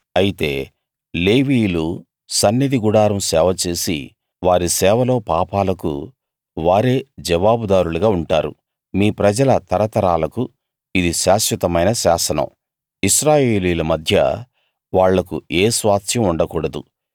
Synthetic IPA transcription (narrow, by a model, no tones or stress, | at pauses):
ɐjit̪e̞̰ː | le̞ːʋiːjlu | sɐnːɐd̪iɡuɽaːɾɐmsɛːʋɐt͡ʃe̞ːsḭ | ʋaːɾisɛːʋɐlo̞ːpaːpaːlɐkṵ | ʋaːɾe̞ːd͡ʒɐʋaːbud̪aːɾuluɡaːuɳʈaːɾṵ | miːpɾɐd͡ʒɐlɐt̪ɐɾɐt̪ɐɾaːlɐku | id̪iʃaːʃjɐt̪ɐmɐjnɐʃaːsɐnɐ̰m | iʃɾaːjee̞ːliːlɐmɐd̪ʱjɐ̰ | ʋaːɭːɐkṵeːsʋaːt̪jɐmuɳɖɐkuːɽɐd̪ṵ